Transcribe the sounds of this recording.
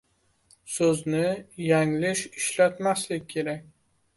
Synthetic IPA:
sɵznɪjaŋlɪʃɪʃlat̪maslɪkʲːʰe̞ɾakʲ

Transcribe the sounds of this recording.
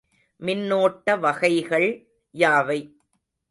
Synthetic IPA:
mɪnːoːʈːɐʋɐɣɐɪɣɐɭ | jaːʋɐɪ

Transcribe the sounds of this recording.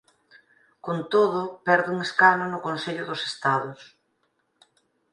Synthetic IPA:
kont̪oðʊpɛɾðʊuŋeskanʊnʊkonseʎʊðʊse̥st̪aðʊs

